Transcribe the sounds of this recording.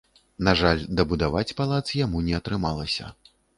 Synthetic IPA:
naʐalʲd̪ɐbud̪avat͡sʲpalˠat̪sjamunʲɛɐt̪ɾɨmalˠɐsʲɐ̰

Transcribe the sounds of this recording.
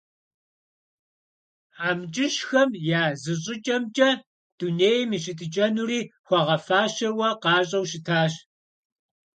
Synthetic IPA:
aːmt͡ʃʼɪʃxɐmjaːzɨɕʼɪt͡ʃʼɐmt͡ʃʼɐ | d̥uneːjɛmiːɕʼɪtʼɨt͡ʃʼɐnuriːxʷɑʁɐfaːʃɐwɐqɑːɕʼɐwʃɪtʰaːɕ

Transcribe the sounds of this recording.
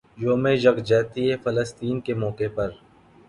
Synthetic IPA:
joːmẽd͡ʒɐɡd͡ʒɛːt̪iɦɛfɐləst̪iːnkemɔːkepɐɾ

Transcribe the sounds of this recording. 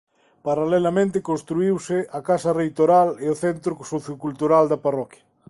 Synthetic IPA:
paɾalɛlamẽnt̪ɪkõnst̪ɾuiwsɪʔakasɐrejt̪oɾalɪoθɛnt̪ɾosoθjokult̪uɾald̪ɐparɔkjɐ

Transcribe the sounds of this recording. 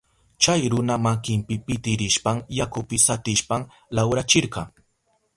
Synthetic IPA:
t͡ʃajɾʊnamakɪmpɪpɪt̪ɪɾɪʃpaŋjakʊpɪsat̪ɪʃpaŋ | lawɾat͡ʃɪɾɢɑŋ

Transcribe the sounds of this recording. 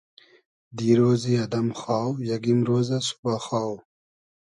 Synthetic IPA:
d̪iːɾoːziɐd̪ɐmxaːwjɐɡimɾoːzasu̥baxaːw

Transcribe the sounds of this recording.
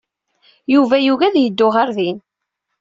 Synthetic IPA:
juvæjuɣæðjəd̪ːʊʁaɾðin

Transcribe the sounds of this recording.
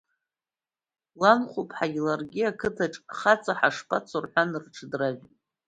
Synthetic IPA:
lanχupʰʼħaɡilarɡʲiakʰɨtʰaʈ͡ʂʼχat͡sʰʼaħaʂpʰʼat͡sʰorħʷanɨrʈ͡ʂʰdraʒʷ

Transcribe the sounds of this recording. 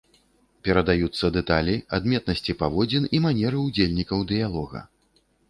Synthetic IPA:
pʲɛɾɐd̪ajut̪sːɐd̪ɛt̪alʲia̰d̪mʲɛt̪̚nɐsʲt͡sʲipavɔd͡zʲinimanʲɛɾɨud͡zʲelʲnʲikɐwd̪ɨjalˠɔɣɐ̰

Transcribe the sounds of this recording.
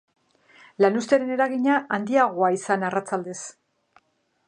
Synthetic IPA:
lanust̪eɾe̞ne̞ɾaɣiɲaʔand̪iaɣ̞o̞aisanarat͡sald̪e̞s

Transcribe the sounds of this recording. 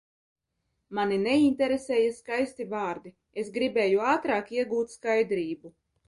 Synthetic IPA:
maninɛinʲt̪ɛɾeseːjaskajst̪ivaːɾd̪i | esɡɾibeːjuaːt̪ɾaːkiɛɡuːt̪skajd̪ɾiːbu

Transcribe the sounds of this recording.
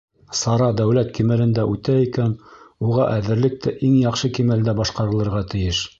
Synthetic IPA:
sɑɾɑd̪æwlæt̪kimælɘ̆nd̪æʔʉt̪æikænuʁɑʔæðɘ̆ɾlɘk̚t̪ʰɘʔiŋjɑqʃɤkimæld̪æbɑʃqɑɾɤ̆lˠɤ̆ɾʁɑt̪ɘ̆jɘʃ

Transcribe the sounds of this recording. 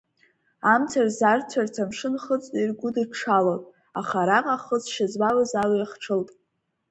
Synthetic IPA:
amt͡sʰarzart͡sʷʰartʰamʂɨnχət͡sʼtʼirɡʷʊdɨʈ͡ʂʰalotʼ | aχaɾaqʼaχəzʃazwawazalajiχʈ͡ʂʰɨltʼ

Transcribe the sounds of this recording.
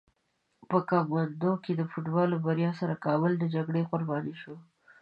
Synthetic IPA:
pəkɑɡwand̪oked̪əfuʈbɑlobaɾjɑsaɾakɑbʊld̪əd͡ʒaɡɽeɣʊɾbɑniʃo

